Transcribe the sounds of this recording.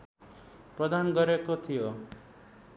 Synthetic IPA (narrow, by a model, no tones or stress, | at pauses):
prʌd̪anɡʌɾekot̪ʰijo